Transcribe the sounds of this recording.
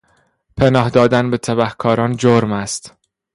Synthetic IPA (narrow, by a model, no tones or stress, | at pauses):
pʰenɒːhd̪ɒːd̪ænbe̞t̪ʰæbæhkʰɒːɾɒːnd͡ʒoɾmæst̪